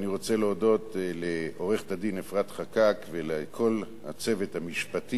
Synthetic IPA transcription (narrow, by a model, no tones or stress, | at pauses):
niʁo̞t͡se̞leodo̞tleo̞ʁeχtadinefʁat̪χakakvelekʰo̞l | ha̰t͡se̞ve̞thamiʃpati